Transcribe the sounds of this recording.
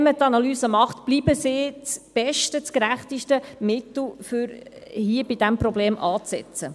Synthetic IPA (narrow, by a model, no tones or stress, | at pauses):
mət̪ɑnɑlyːsəmɑχtb̥liːbəsɪːt͡sb̥ɛʃtət͡skɾæχtiʃtəmɪtl̩ˠfʏɾhiəbidæmprɔbleːmʔɑːt͡sɛ̰t͡sə